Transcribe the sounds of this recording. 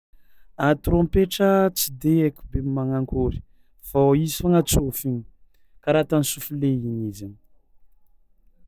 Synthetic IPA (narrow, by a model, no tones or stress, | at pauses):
at̪uɾompeʈ͡ʂət͡sid̪eekʲu̥bemːaŋaŋkʰuɾi̥ | faisaŋat͡sofiɲi̥ | kaɾat̪ansufuleinizini̥